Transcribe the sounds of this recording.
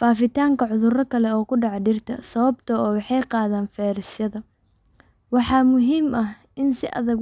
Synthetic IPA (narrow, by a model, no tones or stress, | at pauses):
faːfɪt̪ʰaːŋkʰɐʕʊðʊrɐkʰɐlɛɔːkʰʊɖɑʕɖɪrt̪ʰɐ̰sɐβɐbt̪ʰɐɔːwɑħɑjqɑːðaːnfɛːɾɪsjɐðɐ | wɑħɑːmʊɦiːmʔɐh | ɪnsɪʔɐ̰ðɐɣ